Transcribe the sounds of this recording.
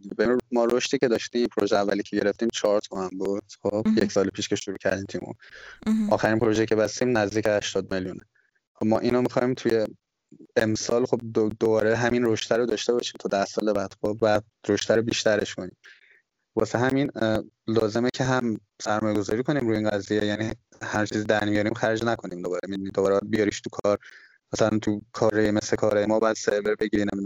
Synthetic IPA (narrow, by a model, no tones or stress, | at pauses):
bemɒːɾo̞ʃt̪iːcʰe̞d̪ɒːʃt̪iːmiːpʰoɾoʒeævːæliːcʰe̞ɟe̞ɾe̞ft̪iːmt͡ʃʰɒːɾt̪ʰohæmbud̪̥xob̥jecsɒːlepʰiːʃce̞ʃuɾuːcʰæ̰ɾd̪iːmt̪ʰuimo̰ʔɒːxæɾinpʰoɾoʒejcʰebæst̪iːmnæzd̪iːcehæʃt̪ɒːd̪meljunḛ | xobmɒ̰ːʔiːnomixɒːimt̪ʰuje̞ | emsɒːlxo̞b̚d̪od̪obɒːɾeɦæminɾoʃt̪ʰæɾod̪ɒːʃt̪e̞bɒʃiːmt̪ʰɒːd̪æsɒːlebæd̪̥xobvæ | ɾoʃt̪ʰæɾobiːʃt̪æɾe̞ʃkʰonḭːm | bɒːseɦæmin | lɒːze̞mecʰeɦæm | sæɾmɒːjeɡo̞zɒːɾiːkʰo̞niːmɾuːjeiːnɡæzijejæni | hæɾt͡ʃʰiːzid̪æɾmijɒːɾiːmxæɾd͡ʒnækʰoniːmd̪o̞bɒːɾemid̪nid̪obɒːɾeæd̪bijɒɾiʃt̪ʰukʰɒɾ | mæsælænt̪ʰukʰɒːɾɒjemeslekʰɒːɾɒːjemɒːbɒjæd̪̥seɾveɾbe̞ɟiɾiːnemid̪